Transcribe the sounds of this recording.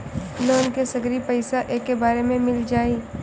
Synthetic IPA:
loːnkesɐɡɾipɐɪsaʔeːkːebaːɾemẽmɪld͡ʒaːiː

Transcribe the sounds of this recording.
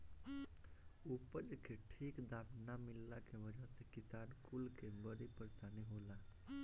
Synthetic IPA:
upəd͡ʒkeʈʰiːkd̪aːpnamɪlːakebəd͡ʒəɦsekɪsaːnkulkebəɽipəɾsaniɦoːla

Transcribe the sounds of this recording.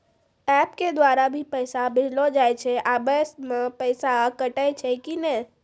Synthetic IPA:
ɛpked̪ʋaɾabʱipəjsabɪd͡ʒlod͡ʒajt͡ʃʰeʔabəsmãpəjsakəʈajt͡ʃʰekine

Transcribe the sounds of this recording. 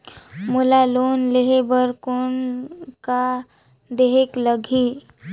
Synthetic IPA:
mulaloːnleɦebəɾkoːnka | d̪eɦekləɡʱi

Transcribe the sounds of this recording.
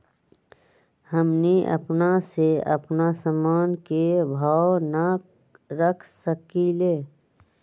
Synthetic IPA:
həmniʔə̰pnaseə̰pnasəmaːnkebʱaːwna | ɾəkʰsəkileː

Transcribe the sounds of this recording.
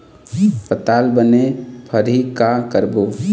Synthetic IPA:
pət̪albənepʰəɾɦikakəɾbo

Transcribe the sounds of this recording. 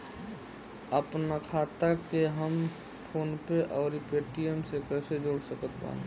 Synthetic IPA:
əpnakʰaːt̪akeɦəm | pʰoːnpeʔɔːɾipeːʈijəmsekɛ̃ːsed͡ʒoːɽsəkət̪ba̰ːn

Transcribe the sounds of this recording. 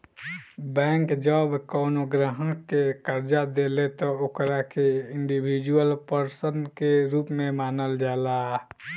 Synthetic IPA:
bɛ̃ːŋkd͡ʒəbkɔʊnoɡɾəɦə̃kekəɾd͡ʒad̪elet̪ɔokɾakeɪɳɖibʱid͡ʒuwəlpəɾsənkeɾuːpmẽmaːnəld͡ʒala

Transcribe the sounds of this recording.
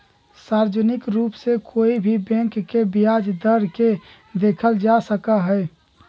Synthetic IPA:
saɾd͡ʒənɪkɾuːpsekʰoibʱibɛ̃ŋkːebijad͡ʒd̪əɾke | d̪ekʰəld͡ʒasəkaɦəj

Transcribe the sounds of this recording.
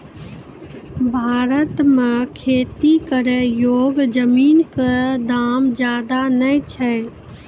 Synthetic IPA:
bʱaːɾət̪mekʰeːt̪ikəɾejoːɡd͡ʒəmiːnkəd̪aːmd͡ʒjaːd̪anəjt͡ʃʰɛ

